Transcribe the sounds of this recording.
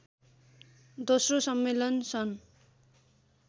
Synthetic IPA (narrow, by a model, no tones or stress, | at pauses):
d̪osrosʌmːelʌnsʰʌn